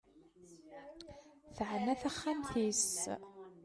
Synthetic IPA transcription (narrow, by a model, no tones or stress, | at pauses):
θəʕənːæθæχːamθis